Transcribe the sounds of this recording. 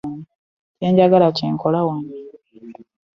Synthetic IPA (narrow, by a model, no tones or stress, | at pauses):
n | ce̞ːɲɟaɡalaceːŋkolawoni